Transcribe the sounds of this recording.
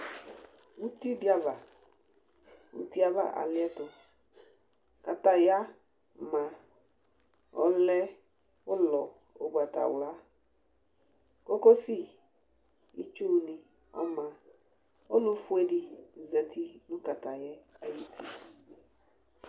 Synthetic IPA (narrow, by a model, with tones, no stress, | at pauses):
wu˦ti˦di˦a˨va˨ | wṵ˨ti˦a˦va̰˨ʔa̰˨lɪ˦ɛ˦tɔ˨ | ka˨ta˨ja˦ | mã˨ | ɔ˨lɛ˦ | ʊ˦lɔ˨ | o˨bu˨a˨ta̰˨wla˦ | ko˦ko˦si˦ | i˨t͡ʃu˦˨nĩ˨ | ɔ̰˨mã˨ | o˦nʊ̃˦fu˦e˦di˦n̩˨zɛ˨tʰi˦nʊ̃˦ka˨ta˨jɛ˦a˦ji˦tʰi˦